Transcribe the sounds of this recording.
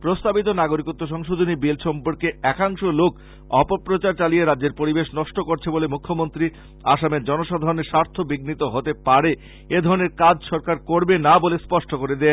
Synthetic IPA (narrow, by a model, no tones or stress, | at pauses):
pɾost̪abit̪̬onaɡoɾikot̪ːoʃ̬ɔŋʃod̪ʱonibilʃɔmboɾkeɛkaŋʃolok | ɔpopɾot͡ɕaɾt͡ɕalijeɾadːd͡ʑeɾpoɾibeʃnɔʃʈokoɾt͡ɕʰebolemukʰːomont̪ɾi | aʃameɾd͡ʑɔnoʃad̪ʱaɾoneɾʃaɾt̪ʰobiɡnit̪oɦot̪epaɾe | ed̪ʱɔɾoneɾkad͡ʑʃɔɾkaɾkoɾbenabolespɔʃʈokoɾed̪e